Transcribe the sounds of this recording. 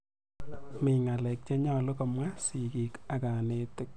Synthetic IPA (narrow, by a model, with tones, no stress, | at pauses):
mɪ˨ŋa˨lɛ˨k̚t͡ʃe˦ɲɔ˦lo˦ka˨mwa˦si˨ki˨ka˨ka˨ne˦tɪ˦k̚